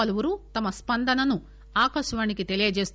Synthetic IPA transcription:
ɐluʋuɾut̪ɐmɐspɐnd̪ɐnɐnu | aːkɐʃʋaːnikit̪e̞lijɐd͡ʒe̞ːst̪

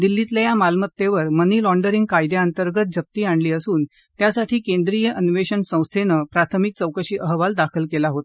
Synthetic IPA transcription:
d̪ilːit̪lajamalmət̪ːeʋəɾməniːlɔɳɖəɾiŋɡkajd̪jaənt̪əɾɡət̪̚d͡ʑəp̚t̪iːaɳliːəsuːn | t̪jasaʈʰiːkẽnd̪ɾijəʔənʋeɕəɳsə̃w̃st̪ʰenəpɾat̪ʰəmik̚t͡səwkəɕiːʔəɦʋald̪akʰəlkelaɦot̪

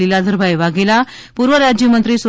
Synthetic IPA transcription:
ilad̪ʱəɾbʱajʋaɡela | puɾʋəɾad͡ʑjəmənt̪ɾiːsʋ

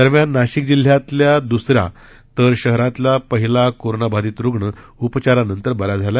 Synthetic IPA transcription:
d̪əɾmjanːaɕik̚d͡ʑil̤jat̪ljad̪usɾja̰ | t̪əɾɕəɦɾãt̪lapəɦilakoɾɳabʱad̪iːt̪ɾuɡɳə | upt͡ɕaɾanənt̪əɾbəɾad͡zʱala

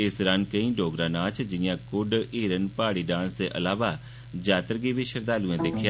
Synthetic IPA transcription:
ɪsɾənkəĩːɖoːɡɾãːnãːt͡ʃd͡ʒɪjãːkʊɖiːɾənpaːɽiːɖãːnsd̪eːʔə̰laːʋaː | d͡ʒaːt̪əɾɡiːʋiːʃəɾd̪aːluːãːd̪ekʰjaː

